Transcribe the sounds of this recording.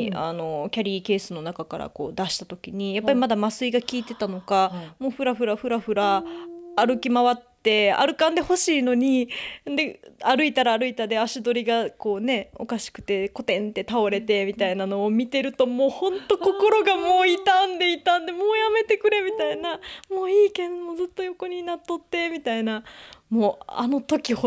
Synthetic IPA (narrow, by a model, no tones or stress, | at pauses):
a̰no̞kʲaɾʲiːke̞ːsɨno̞nakakaɾa̰ko̞̰ːd̪aɕi̥t̪at̪okʲiɲ̟ijapːaɾʲimad̪amasɨiɡakʲiːt̪e̞t̪ano̞kamo̞ːɸɯ̟ɾaɸɯ̟ɾaɸɯ̟ɾaɸɯ̟ɾaː | ɾɯ̟kʲimaβat̪ːe̞a̰ɾɯ̟kãnd̪e̞ho̞ɕiːno̞ɲ̟ĩnd̪eaɾɯ̟it̪aɾaːɾɯ̟it̪ad̪e̞aɕid̪o̞ɾʲiɡako̞ːne̞o̞̰kaɕi̥kɯ̟̥t̪e̞ko̞t̪ẽ̞nt̪e̞t̪ao̞ɾe̞t̪e̞mʲit̪ainano̞ːmʲit̪e̞ɾɯ̟t̪o̞mo̞ːhõ̞nt̪o̞ko̞ko̞ɾo̞ɡamo̞ːit̪ãnd̪e̞it̪ãnd̪e̞mo̞ːjame̞t̪e̞kɯ̟ɾe̞mʲit̪ainamo̞ːiːke̞d̪omozɨt̪ːo̞jo̞ko̞ɲ̟inat̪ːo̞t̪ːe̞mʲit̪ainamoːa̰no̞t̪o̞kʲih